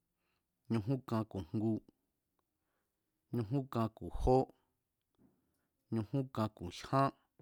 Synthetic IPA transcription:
ɲũ˧ɦũ˦kã˧ku̥˨ŋɡu˧ | ɲũ˧ɦũ˦kã˧ku˨ho˦ | ɲũ˧hũ˦kã˧ku˨ʃhã˦

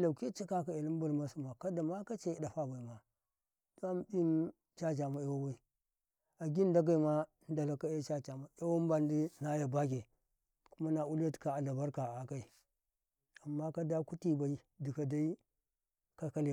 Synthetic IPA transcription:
la˨ki˦t͡ʃa˦ka˦ka˨e˨li˦m˦bu˨ɾma˦su˦ma˨ka˦da˨ma˦ka˦t͡ʃe˦i˨da˨fa˦ba˨i˨ma˨ | d̥o˦a˦m˨bi˦n | t͡ʃa˦t͡ʃa˨ma˨e˦wa˦wa˦i˦ | a˨ɡi˦n˦da˦ɡ̬a˨i˨ma˦ | n˦da˨la˨ka˦e˦t͡ʃa˦t͡ʃa˨ma˨e˦wa˦m˦ba˨ndi˦na˦ja˨ba˦k̬e˨ | ku˦ma˦na˨u˦la˦tka˨a˨la˨ba˦ɾka˨a˨ka˨i˨ | a˨mːa˦ka˦da˦ku˦ti˦ba˨i˦di˨ka˨da˦i˦ | ka˦ka˦le˨

